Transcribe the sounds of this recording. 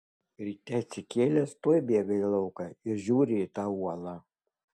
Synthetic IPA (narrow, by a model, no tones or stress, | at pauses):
ɾʲiːt̪ʲɛsʲɪkʲeːlʲɛst̪oːjbʲeɛɡɐɪlˠɐʊkɐɪɾʒʲuːɾʲɪiːt̪ɑːuɔlˠɑː